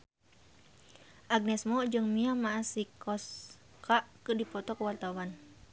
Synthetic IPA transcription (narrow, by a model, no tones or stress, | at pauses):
ʔaɡ̚nɛsmɔd͡ʒɨŋmiamaːsikɔs | kaʔkɨdipɔt̪ɔkəwart̪awan